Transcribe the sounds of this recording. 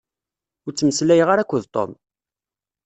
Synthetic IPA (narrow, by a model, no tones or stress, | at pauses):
ʊɾt͡sːəməslæjʁaɾækʷːəðt̪ˤo̰m